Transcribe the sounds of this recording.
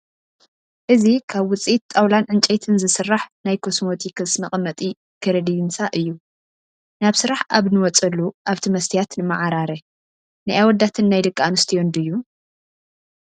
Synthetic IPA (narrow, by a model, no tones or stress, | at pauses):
ʔɨzikʰaβwʊt͡sʼit̪ʼːawlanʕɨnt͡ʃʼejt̪ʰɨnzɨsɨrːaħnajkʰosmot̪ʰikʰɨsmɐχʼmɐt̪ʼi | kʰɨɾɐd̪ijnsaʔɨjːu | naβsɨɾaħaβnɨwɔt͡sʼɐlːuʔaβt̪ʰimɐst̪ʰijat̪nɨmaʕaɾaɾɐ | najʔawɔd̪ːat̪ʰɨnːajdɨkʼːanɨst̪ʰijond̪ɨjːu